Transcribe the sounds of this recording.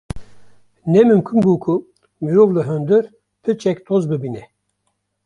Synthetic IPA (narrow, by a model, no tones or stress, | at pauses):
nɛmɨmkʰumbuːkʰu | miɾovlɨɦønd̪ɨɾ | t̪ʰɨt͡ʃʰɛkt̪ʰozbɨbinɛ